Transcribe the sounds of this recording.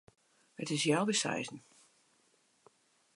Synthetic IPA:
hətɪsjawbəsa̰jzn̩

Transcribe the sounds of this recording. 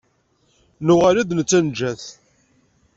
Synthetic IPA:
nuʁaɾiðnət͡sːænd͡ʒːæθ

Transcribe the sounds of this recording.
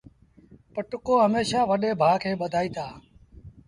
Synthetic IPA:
pəʈʊkoːɦəmeːʃãːʋəɗeːbʱaːkʰeːɓəd̪ʱaːiːt̪ʰaː

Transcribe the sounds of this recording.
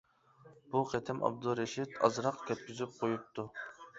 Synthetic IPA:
b̥uqʰɛt̪ʰɪmʔɑ̰b̚d̪uɾɛʃit̪ɑ̰zɾɑqkʲʰøp̪̚kʲyzyp̚qʰojup̚t̪ʰu

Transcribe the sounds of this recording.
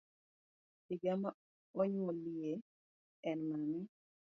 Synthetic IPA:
ɪɡama | ɔɲɔlɪe | ɛnmanɛ

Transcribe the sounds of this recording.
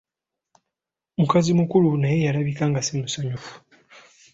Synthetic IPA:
mukazimukulunaje̞jalaβikaːŋɡasemusaɲufu̥

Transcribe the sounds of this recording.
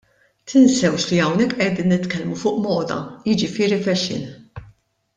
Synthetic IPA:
t̪ʰɪnsɛwʃliɐwnɛkːʔɛd̪iːnːɪt̪kɛlmufʊːʔmɔːd̪ɐ̰jɪd͡ʒɪfɪːɾifɛʃɪ̰n

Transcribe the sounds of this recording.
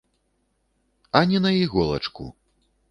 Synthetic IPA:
ɐnʲɛnɐjiɣɔlˠɐ̰t͡ʂkṵ

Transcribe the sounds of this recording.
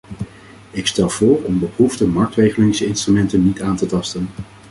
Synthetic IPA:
ɪkstɛlˠv̥ʊːɹɔmbəpruvdəmɑɹk̚trejχəlɪŋsɪnstrymɛntənːitaːntətɑstən

